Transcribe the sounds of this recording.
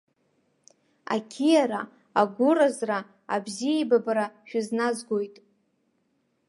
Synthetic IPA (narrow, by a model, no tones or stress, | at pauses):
a̰kʲʰijaɾa | aɡʷʊrazra | abzijajbabaɾaʃᶣʊznazɡʷojtʼ